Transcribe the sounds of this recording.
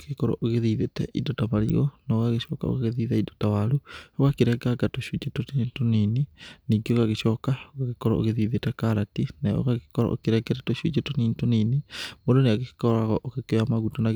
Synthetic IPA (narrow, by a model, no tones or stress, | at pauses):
ekɔɾɔ̰ʔoɣeðiðetɛ̰ʔidotamaɾḭɣo̰naːɣaɣeʃɔka̰o̰ɣaɣeðiðaido̥tawaɾuoɣakeɾɛɡaɡatoʃud͡ʒetotitonininikioɣaɣeʃɔkaoɣaɣekɔɾɔo̰ɣeðiːðetɛkaɾatinao̰ɣaɣekɔɾɔ̰ʔo̰keɾɛɡɛɾɛtoɕud͡ʒetoninitoninemodoneaɣekkɔɾaɣɔʔokekeamaɣutonaɣ